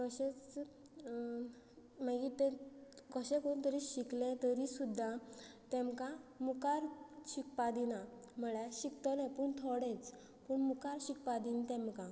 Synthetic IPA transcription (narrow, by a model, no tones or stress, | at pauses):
kəɕet͡s | maɡit̪ekəɕɛ̃kount̪əɾiɕiklẽt̪əɾisud̪ʱːat̪ɛ̃mkamukaɾɕik̚pad̪inam̤əɭjaɕikt̪ɔnãpuɳt̪ʰoɽɛ̃t͡s | puːɳmukaɾɕik̚pad̪int̪ɛ̃mka